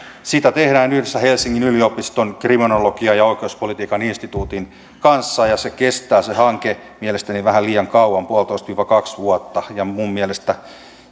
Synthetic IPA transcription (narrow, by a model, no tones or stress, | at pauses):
sit̪æt̪ehɾæːnyhdesːæhelsiŋːinyliopist̪onkriminolokiɑjɑoikeuspolit̪iːkɑninst̪it̪uːt̪in | kɑnsːɑjɑsekest̪æːsehɑŋke | mielest̪æniʋæhæliːjɑŋkɑuwɑmpuolt̪oist̪ʋiːʋɑkɑksʋuɔt̪ːɑjɑmummielest̪æ